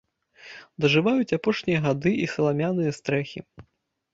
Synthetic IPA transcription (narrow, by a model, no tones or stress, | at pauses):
d̪ɐʐɨvajut͡sʲapɔʂnʲijɐɣad̪ɨʔisɐlˠamʲanɨjɐst̪ɾɛxʲḭ